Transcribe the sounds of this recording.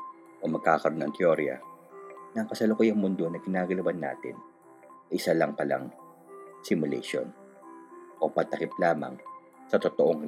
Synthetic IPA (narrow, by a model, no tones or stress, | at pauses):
ʔomɐɡ̚kaːkɐɾo̞nɐ̰ŋt̪ɪoɾjɐ̰ | nɐkɐsɐlokojɐŋmʊnd̪o̞nɐkɪnaːɡɐlɐwɐnːa̰ːt̪ɪ̰n | ʔɪsalɐŋpɐla̰ŋ | sɪmʊlɛ̰ʃo̞̰n | ʔopɐt̪ɐkɪp̚laːmɐ̰ŋ | sɐt̪ot̪oʔoŋ